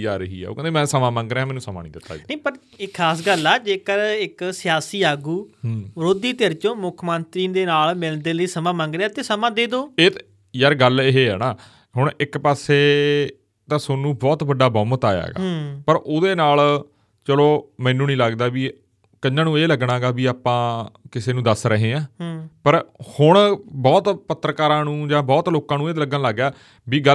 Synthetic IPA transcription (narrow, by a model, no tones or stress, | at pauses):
d͡ʒaːɾəɦḭːɛ̰o̰kɛ̃ːd̪eːmɛ̃ːsəmãːmãːŋɡɾeːaːmɛːnũːsəmã̰ːnḭ̃ːd̪ɪt̪ːa̰ːnə̃ĩːpəɾ | ɪkʰːaːs̬ɡəlɛːd͡ʒeːkəɾɪksɪjaːsiːaːɡuːɾoːd̪iːt̪eəɾt͡ʃõːmʊkʰmənt̪ɾiːd̪eːnaːlmɪld̪eːləiːsəmãːmãːŋɡɾeaːt̪eːsəmãːd̪eːd̪oːeːt̪ | jəɾɡəlɪɦeːɛ̰ːnaː | ɦʊɳɪkpaːseː | t̪ãːsʊnũːbɔːt̪bəɖaːbɔ̃ːmt̪aːja̰ːɡa̰ːpəɾoːd̪eːnaːl | t͡ʃəloːmɛ̃ːnũːnĩːləɡd̪aːbiː | kəãːnũːeːləɡɳaːɡaːbiːaːpãːkɪseːnũːd̪əsɾəɦẽːãːpəɾhʊɳ̃bɔːt̪pət̪ːɾəkaːɾãːnũːd͡ʒãːbɔːt̪loːkãːnũːeːt̪ləɡənləɡjaː | biːɡə